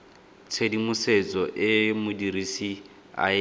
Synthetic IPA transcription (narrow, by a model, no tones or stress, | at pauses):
t͡sʰedimʊset͡sʼɔʔɪmʊdirisi | a̰